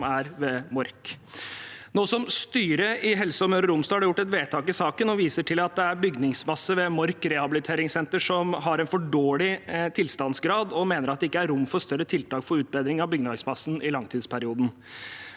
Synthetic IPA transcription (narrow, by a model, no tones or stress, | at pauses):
mæɾʋɛmɔɾk | noːsɔmst̪yːɾəʔɪɦɛlsəɔmøːɾəɾʊmsɔɑhɑɖɛjʊʈːɛt̪ʋeːt̪ʰɑːkɪsɑːkənɔʋiːsəʈʰɪlɑt̪̚d̪ɛæɾbʏɡnɪŋsmɑsːəʋɛmɔɾkɾɛhɑbɪlɪt̪ʰeːɾɪŋsɛnt̪əʂɔmɦɑɾɛnfɔɖoːɭɪt̪ʰɪlst̪ɑnsɡɾɑːd̪ɔmeːnəɾɑt̪̚d̪ɛɪkːəæɾɾʊmːfɔɾst̪œɾət̪ʰɪlt̪ʰɑːkfɔɾʉːt̪̚beːd̪ɾɪŋɑʋbʏɡnɑsmɑsːnʔɪlɑŋt̪ʰiːd̪spʰæɾɪuːd̪n̩